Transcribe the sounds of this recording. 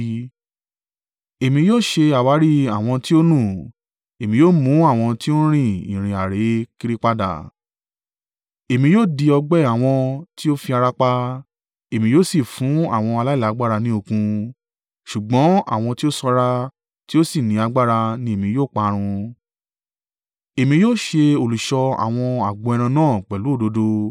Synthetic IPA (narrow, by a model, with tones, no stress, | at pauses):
e˨mĩ˧joː˦˨ʃe˧a˨wa˨˦ɾi˦a˨w̃ɔ̃˧ti˦o˦nũ˦˨ | e˨mĩ˧joː˦˨mũ˨˦a˦˨w̃ɔ̃˧ti˦o˦ɾ̃ĩ˦˨ḭ̃˨ɾ̃ĩ˨a˨ɾe˨˦ki˦ɾi˦k͡pa˦da̰˦˨ | e˨mĩ˧joː˦˨di˧ɔ˧ɡ͡bɛ˦a˨w̃ɔ̃˧ti˦o˦fi˧a˧ɾa˧k͡pa˧ | e˨mĩ˧˦joː˦˨si˦˨fũ˨˦a̰˦˨w̃ɔ̃˧a˧la˦i˦˨la˨˦ɡ͡ba˦˨ɾa˧nĩ˦o˧kũ˧ | ʃu˨ɡ͡bɔ̃˨˦a̰˦˨w̃ɔ̃˧ti˦o˦sɔ˧ɾa˧ | ti˦o˦si˦˨nĩ˨˦a˧ɡ͡ba˦ɾa˧nĩ˧e˦˨mĩ˧˦joː˦˨k͡pa˧ɾ̃ũ˧ | e˨mĩ˧joː˦˨ʃe˧o˨lu˨ʃɔ˧a̰˨w̃ɔ̃˧a˨ɡ͡bɔ̃˧ɛ˧ɾ̃ã˧nãː˦˨k͡pɛ˨lu˨˦o˦˨do˨˧do˧